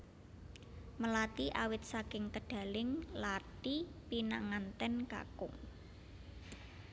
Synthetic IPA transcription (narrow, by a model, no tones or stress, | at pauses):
məlat̪iʔawɪt̪̚sakɪŋk̪əɖ̥a̤lɪŋlaʈipina̰ŋant̪ɛnka̰kʊ̰ŋ